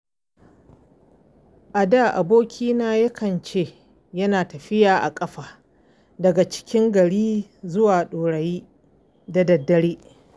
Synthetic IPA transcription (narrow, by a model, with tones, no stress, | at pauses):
ʔa˨da˦˨ʔa̰˨boː˦kʲʰiː˦naː˦jɐ˦kʰɐ˨nt͡ʃe˦˨ | jɐ˦naː˨tɐ˨ɸɪ˦jaː˨ʔa˨kʼɐ˦ɸaː˨ | dɐ˨ɡa˨t͡ʃɪ̥˦kʲɪ˦ŋɡɐ˨ɽiː˦zʊ˦waː˨ɗoː˨ɽɐ˨jiː˦ | da˨dɐ˨dːɐ˦ɽeː˦